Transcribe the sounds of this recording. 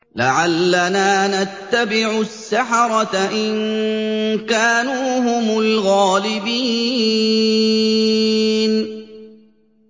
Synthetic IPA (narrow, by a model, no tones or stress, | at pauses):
laʕalːanaːnat̪ːabɪʕʊsːaħɑɾˤɑt̪aʔɪn | kaːnuːhʊmʊlɣaːlɪbiː | n